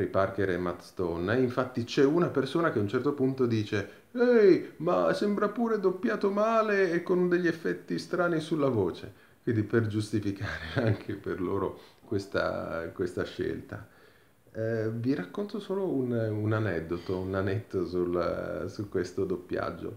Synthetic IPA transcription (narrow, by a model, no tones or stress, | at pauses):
ipark̟eɾemːat̪st̪oniɱfat̪ːit͡ʃɛunapersoːnak̟eaunt͡ʃɛrt̪opunt̪od̪iːt͡ʃe | ɛjma̰sɛmbɾapuːɾed̪opːjaːt̪omaːleːkːond̪eʎːiefːɛt̪ːist̪ɾaːnisulːavoːt͡ʃe | kwind̪iperd͡ʒust̪ifikaːɾeaŋk̟ʰeperloːɾokwest̪a̰kwest̪aʃːḛlt̪a̰ | viɾakːont̪osoːloununanɛd̪ːot̪ounanɛt̪ːosul̰sukːwest̪od̪opːja̰d͡ʒːo̰